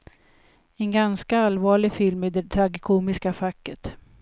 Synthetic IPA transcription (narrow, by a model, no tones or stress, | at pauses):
ɛnɡanskaalvɑːɭɪfɪlmɛd̪ɛt̪ʰɾaɡkʰuːmɪskafakːət̪